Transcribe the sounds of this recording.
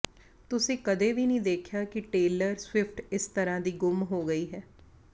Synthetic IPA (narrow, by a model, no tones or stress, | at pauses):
t̪ʊsĩːkəd̪eːʋiːnĩːd̪eːkʰjaːkɪʈeːləɾswɪpʰʈɪst̪əɾãːd̪iːɡʊmɦoːɡəiːɦɛː